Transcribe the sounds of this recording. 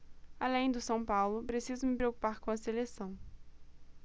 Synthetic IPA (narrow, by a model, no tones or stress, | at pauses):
alẽj̃d̪ʊsɐ̃w̃pawlʊpɾesizʊmɪpɾewku̥paɾkõɐselesɐ̃w̃